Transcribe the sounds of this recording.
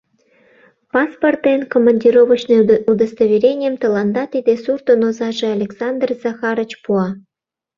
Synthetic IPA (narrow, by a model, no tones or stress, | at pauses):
pɑsport̪enkomɑnʲdʲiɾoβə̆t͡ɕnɤud̪əst̪oβʲiɾʲenʲɪjəmt̪ɤ̆lɑnd̪ɑt̪id̪esurt̪onozɑʒĕalʲeksɑnd̪rz̥ɑxɑɾə̆t͡ɕpuɑ